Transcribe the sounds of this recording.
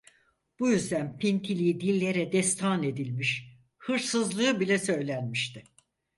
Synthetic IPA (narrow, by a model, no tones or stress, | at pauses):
b̥ujyzd̪ænpʰint̪ʰilʲiːd̪ilʲːe̞ɾɛd̪ɛst̪ʰane̞d̪ilʲmiʃ | hɯɾsɯzlˠɯːɯbilʲɛsø̞jlʲænmiʃt̪ʰɪ